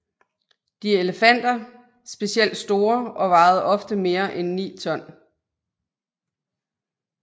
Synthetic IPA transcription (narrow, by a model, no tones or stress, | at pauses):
d̥ieləfæn̰d̥ɐ | sb̥e̝siel̰d̥sd̥o̝ːɐɒ̽ʋɑ̈ːð̞̩ˠɒ̽fd̥əme̝ːɐʔenːḭːt͡sʰɒ̽n̰